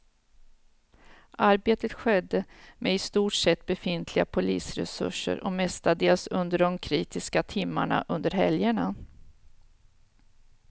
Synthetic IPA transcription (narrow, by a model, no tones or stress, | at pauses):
ʔaɾbeːt̪ət̪ɧɛd̪ːəmʔeɪst̪uːʈʂɛt̪̚ːbɛfɪnt̪ʰlɪɡapʰʊliːsɾɛ̰sɵ̰ʂːə̰ɾʔɔ̰mɛst̪ad̪eːlsɵnd̪əɖɔmkʰɾiːt̪ɪskat̪ʰɪmːaɳa̰ʔɵnd̪əɾɦɛljəɳa